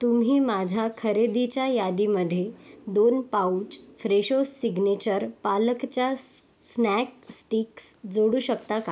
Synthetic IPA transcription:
t̪um̤iːmad͡ʑʱakʰəɾed̪it͡ɕjajad̪iməd̪ʱːjed̪onpaut͡ɕfɾeɕosiɡnet͡ɕəɾpaləkt͡ɕja | snɛk̚sʈiksd͡zoɽuːɕəkt̪aka

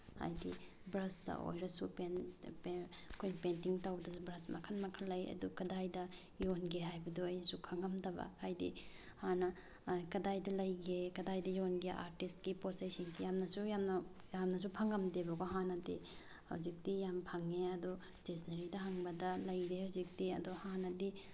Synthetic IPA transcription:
ha̰jdi | bɾɐsdɐ̰o̰jɾɐsupenp | kʰojnpentiŋtawbdɐsubɾɐsmɐ̰kʰɐnmɐkʰɐlɐjɐ̰dukɐdajdɐ | jonɡeɦajbɐduɐjnɐsupʰaŋɐmdɐbɐ̰hajdḭ | hanɐ | kɐdajdɐlɐjɡekɐdajdɐjonɡeʔa̰ɾtist̚ɡiposajsinsijamnɐsujamnɐ | jamnɐs̬upʰaŋɡɐmdebɐɡoɦanɐdḛ | hɐ̰wzik̚dijampʰaŋːeɐdɔstesnɐɾidɐɦaŋbɐdɐlɐjɾehawzik̚diɐ̰dɔhanɐdi

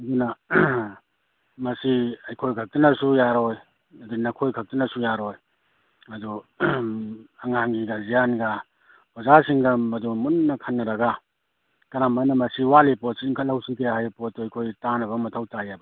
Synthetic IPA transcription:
ɐdunɐ | mɐsiɐjkʰojkʰak̚tinɐsujaɾoj | ɐdunɐkʰojkʰɐk̚tinɐsujaɾoj | ɐdu | ɐŋaŋɡiɡɐzijanɡɐ | bɐzasiŋɡɐmɐdumunːɐkʰanːɐɾɐɡa | kɐnamajnɐmɐsiwalipɔt̚siŋkʰɐtlawsikejhajpɔt̚ːuɐjkʰojtanɐbɐmɐtʰawtajabɐ

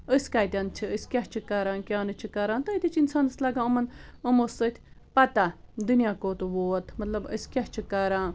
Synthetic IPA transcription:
əsʲkaːt̪ʲant͡ʃʰiəsʲkʲaɦt͡ʃʰikɐɾaːnkʲaːnɨt͡ʃʰikɐɾaːnt̪ɐt̪ʲit͡ʃʰinsaːnɐslaːɡãəmɐnəmosət̪ʰʲ | pɐt̪ad̪unijaːkoːt̪uʋoːt̪ʰmɐt̪lɐbə̰sʲkʲaht͡ʃʰikɐɾãː

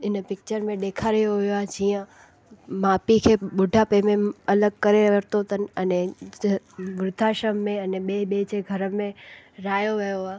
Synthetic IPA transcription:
ɪnpɪk̚t͡ɕəɾmẽɗeːkʰaːɾijoɦʊijoaːɦed͡ʑiːə̃ | maːpikʰeːɓʊɖʱapeːmẽɐləɡ̚kɐɾeʋɐɾt̪ot̪ənɪ̆ɛne | ɡɾʊd̪ʱaːʃəmːẽɐneɓeːɓeːd͡ʑeɡʱɐɾəmẽɾaːjoʋijoaː

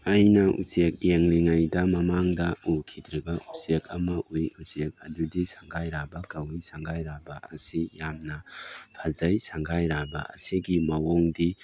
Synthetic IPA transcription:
ɐjnɐʔṵsek̚jeŋliŋajdɐmɐmaŋdɐukʰidɾiɡɐʔusekʰɐmɐʔujusek̚ɐdudisaŋɡajɾabɐkɐwijsaŋɡajɾabɐɐsijamnɐpʰazɐjsaŋɡajɾabɐ̰ɐ̰siɡimɐwɔŋdi

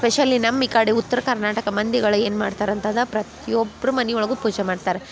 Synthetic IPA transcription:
speʃɐlːinɐmːikaːɽiut̪ːɐɾɐkɐɾnaːʈɐkɐmɐnd̪iɡɐɭɐeːnma̰ːɖt̪aːɾɐnt̪ɐd̪ɐpɾɐt̪ijobːɐɾumɐniɔɭɐɡupuːd͡ʒemaːɖt̪aːɾe

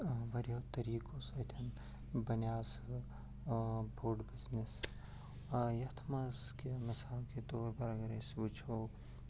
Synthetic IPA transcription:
ʋɐɾjoːt̪ɐɾiːkoːsɐt̪ʰɐn | bɐnjaːs | bʱoːɖbɪznis | jɐt̪ʰmɐskemɐsaːlket̪oːɾpɐɾɐɡɐɾesbut͡ʃʰoː

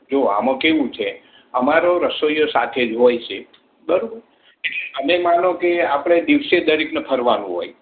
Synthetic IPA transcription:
d͡ʒoa̰mə̃keʋũt͡ʃʰe | əmaɾoɾəsojosat̪ʰed͡ʒɦojt͡ʃʰe | bəɾobəɾ | eʈleəmemanõkeapɽ̃ed̪iʋsed̪əɾiknepʰəɾʋanũɦo̰j

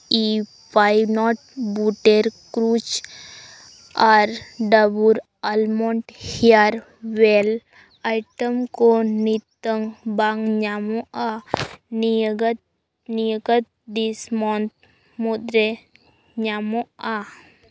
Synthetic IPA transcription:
i | pajnɔʈ̚buʈeɾkɾut͡ʃ | aɾɖabuɾ | almɔɳʈhiaɾ | ʋel | ajʈəmkonit̪ːəŋbaŋɲamoaniɡət̪̚ | nijəɡət̪̚d̪ismɔnt̪̚ | mud̪ɾe | ɲamoa

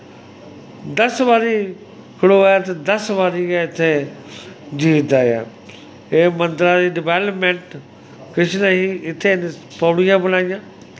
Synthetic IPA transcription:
d̪əsʋaːɾi | kʰɪɽoaːjat̪ed̪əsʋaːɾiaɪt̪ʰẽ | d͡ʒiːt̪aːja̰ː | eːmə̃nt̪ɾaːɾiːɖɪʋeːləpmẽɳʈ | kɪt͡ʃʰnaɦiɪt̪ʰẽn | pəːɽijãːbənaːijãː

